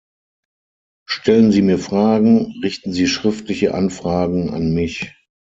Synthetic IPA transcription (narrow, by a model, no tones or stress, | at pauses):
ʃtʰɛlənziːmiːɐfʁ̥aːɡŋ̩ʁɪçtn̩ziːʃʁ̥ɪftlɪçəʔa̰nfʁ̥aːɡŋ̩a̰nmɪç